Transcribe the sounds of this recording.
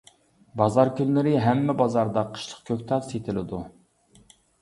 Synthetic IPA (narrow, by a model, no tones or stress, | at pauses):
bɑzɑɾkʲynlɪɾɪɦɛmːɛbɑzɑɾd̪ɑqʰə̥ʃlˠə̥q̚kʲʰøkʲt̪ʰɑt̪set̪ʰɪlɪd̪u